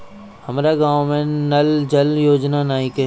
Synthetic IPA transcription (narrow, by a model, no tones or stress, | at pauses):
hɐmɾaɡãːwmẽnɐld͡ʒɐljoːd͡ʒnanaːike